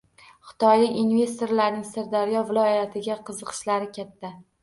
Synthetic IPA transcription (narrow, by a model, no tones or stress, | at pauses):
χɨ̥t̪ʰɒjlɪkʲinve̞st̪oɾlaɾnɪŋsɪɾd̪aɾjɒvɪlˠɒjat̪ʰɪɡʲaqʰɨzɨqʰɨ̥ʃlaɾɪkʲʰat̪ʰːa